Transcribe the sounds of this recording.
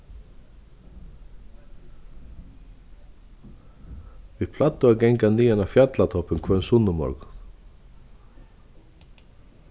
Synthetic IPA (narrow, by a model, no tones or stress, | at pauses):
viðpʰlat̪ːʊaɡɛŋkaniːanafjat̪lat̪ʰɔpːɪnkʰvœnsʊnɪmɔ̰ɹk